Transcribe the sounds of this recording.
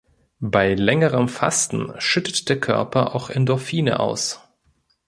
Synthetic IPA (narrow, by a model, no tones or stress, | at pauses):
baɪlɛŋəʁəmfa̰stn̩ʃʏtətd̥eːɐkʰœ̰ɐpʰɐʔa̰ʊxɛndɔlfiːnə̰ʔa̰ʊs